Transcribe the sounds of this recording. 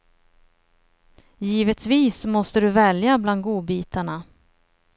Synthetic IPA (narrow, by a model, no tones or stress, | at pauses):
jiːvət̪viːsmɔst̪əd̪ɵvɛljabland̪ɡuːbiːt̪aɳa